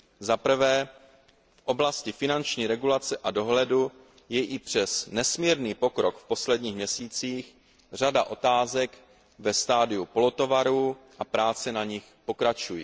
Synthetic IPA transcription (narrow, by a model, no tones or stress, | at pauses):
zapr̩vɛː | fʔo̞blascɪfɪnant͡ʃɲiːɾɛɡulat͡sɛʔado̞ɦlɛdu | jɛʔɪpr̝̥ɛsnɛsmiɾniːpo̞kɾo̞kfpo̞slɛdɲiːxmɲɛsiːt͡siːx | r̝adaʔo̞t̪aːzɛk | vɛst̪aːdɪupo̞lot̪o̞vaɾuːʔapɾaːt͡sɛnaɲɪxpo̞kɾat͡ʃujɪ